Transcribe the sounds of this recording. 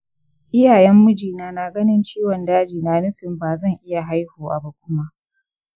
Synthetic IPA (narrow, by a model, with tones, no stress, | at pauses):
ʔɪ˦jaː˨jɛ˦mːʊ˦d͡ʒiː˨naː˨na˨ɡɐ˦nɪ˦nt͡ʃiː˦wɔ˨ndaː˦d͡ʒiː˨naː˨nʊ˦ɸɪ˨mbaː˨zɐ˦˨ŋʔɪ˦ja˨ɦa˦jhuː˨wa̰˨ba˦kʷʊ˦ma˦ʔ